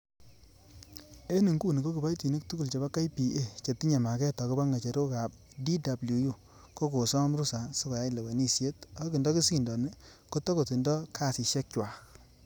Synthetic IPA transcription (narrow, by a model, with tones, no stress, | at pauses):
e˦ni˨ŋɡu˦˨ni˨ko˦ki˨pa˦jti˨ni˦k̚tu˦ku˦lt͡ʃe˨ba˦ka˦jpi˨ʔe˦˨t͡ʃe˨ti˦ɲe˨ma˨kɛ˦tɔ˨ko˦ba˦ŋa˨t͡ʃe˨ɾo˦ka˨p̚ | di˦da˨blu˨ju˦ | ko˦ko˨sɔ˦mɾu˦sa˨so˦ka˨ja˦i˨le˨we˨ni˦sje˦ta˨ko˦ki˨ndɔ˦ki˦si˦˨ndɔ˨ne˦ko˦tɔ˦ko˨ti˨ndɔ˦kʰa˦˨si˨ʃɛ˦k̚t͡ʃwa˨k